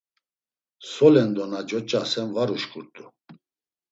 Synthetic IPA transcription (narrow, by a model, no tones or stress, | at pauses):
sɔlɛnd̪ɔnad͡ʒɔt͡ʃʼasɛnvaɾuʃkʼuɾt̪ʼu